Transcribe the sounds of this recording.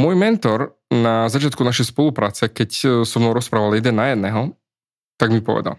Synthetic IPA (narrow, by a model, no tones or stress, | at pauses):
mʊɔjmɛnt̪ɔɾ | nazat͡ʃɪat̪kunaʃɛjspɔlupɾaːt͡sɛkɛcsɔmnɔʊɾɔspɾaːʋaljɛd̪ɛnːajɛd̪̚nɛːɦɔ | t̪aɡmipɔ̰ʋɛ̰d̪a̰l